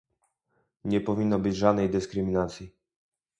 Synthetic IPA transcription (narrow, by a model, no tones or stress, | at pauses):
ɲɛpɔvʲinːɔbɘd͡ʑʐad̪nɛjd̪ɘskɾɘmʲinat̪sʲji